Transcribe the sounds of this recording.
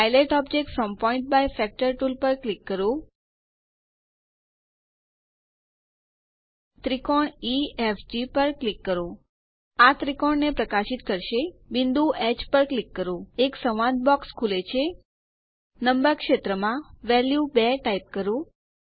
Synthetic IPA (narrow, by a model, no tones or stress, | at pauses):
pajleʈɔb̚d͡ʒek̚ʈsɔmpɔiɳʈ̚bajfɛk̚ʈəɾʈulpəɾklikːəɾõ | t̪ɾikɔɳiɛfd͡ʒipəɾklikːəɾõ | at̪ɾikɔɳnepɾəkaʃit̪kəɾʃebind̪ʱuɛt͡ʃpəɾklikːəɾõeksəʋãd̪̚bɔkskʰulet͡ʃʰe | nəmbəɾkʃet̪ɾəmãʋɛljubɛʈaip̚kəɾõ